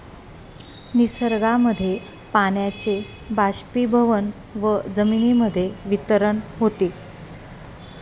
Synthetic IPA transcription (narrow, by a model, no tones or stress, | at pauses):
nisəɾɡaməd̪ʱːje | paɳjat͡se | baɕpibʱəʋən | ʋəd͡zəminiməd̪ʱːjeʋit̪əɾəɳɦot̪iː